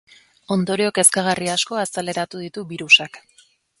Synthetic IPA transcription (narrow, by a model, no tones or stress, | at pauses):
o̞nd̪o̞ɾio̞ke̞skaɣariasko̞asale̞ɾat̪uðit̪uβiɾusak